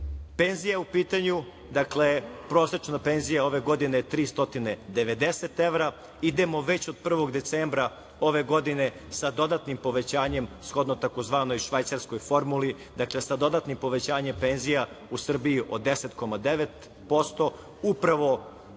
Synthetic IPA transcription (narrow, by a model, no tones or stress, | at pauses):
pe̞nzijaupiːt̪aɲu | d̪aklepɾo̞ːsɾet͡ʃnapenzijao̞ʋe̞ɡo̞d̪inet̪ɾiːst̪o̞t̪ined̪eʋe̞d̪eset̪eʋɾa | id̪emo̞ʋe̞t͡ɕod̪̚pr̩ʋo̞ɡd̪e̞t̪seːmbɾa | o̞ʋe̞ɡo̞d̪ine̞ | sad̪o̞d̪at̪nimpo̞ʋe̞t͡ɕaːɲe̞msxo̞d̪not̪akozʋaːno̞jʃʋajt̪saɾsko̞jfo̞ɾmuli | d̪akle̞sad̪o̞d̪at̪nimpo̞ʋe̞t͡ɕaːɲempeːnzija | usr̩biiʔo̞d̪eset̪ko̞mad̪eʋet̪ | po̞st̪o̞ | upɾaʋo̞